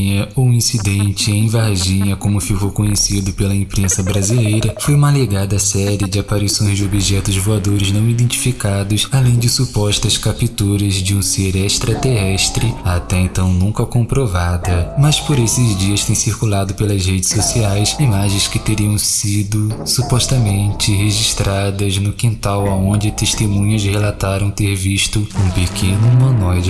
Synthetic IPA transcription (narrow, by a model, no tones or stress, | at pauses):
ɲɐoĩsid̪ẽnt͡ʃɪẽj̃vaɾʒĩɲɐkõmʊfikokõɲesid̪ʊpelɐẽmpɾẽsɐbɾazilejɾɐfojũmɐleɡad̪ɐsɛɾiɪd͡ʒɪapaɾisõj̃zd͡ʒɪobiʒɛt̪ʊzvoad̪oɾɪznɐ̃w̃id̪ẽnt͡ʃi̥fikad̪ʊsalẽj̃d͡ʒɪsupɔʃt̪ɐskapit̪uɾɐzd͡ʒɪũseɾɛʃt̪ɾɐt̪eɦɛʃt̪ɾɪat̪ɛẽnt̪ɐ̃w̃nũŋkɐkõpɾovad̪ɐmɐspoɾesɪzd͡ʒiɐʃt̪ẽj̃siɾkulad̪ʊpelɐzhed͡ʒɪsosiajsimaʒẽj̃skɪt̪eɾiɐ̃w̃sid̪ʊsupɔʃt̪ɐmẽnt͡ʃɪɦeʒiʃt̪ɾad̪ɐznʊkĩnt̪awɐõnd͡ʒɪt̪eʃt̪emũɲɐzhelat̪aɾɐ̃w̃t̪eɾviʃt̪ʊũpekʰẽnʊmɐ̃nɔjd͡ʒ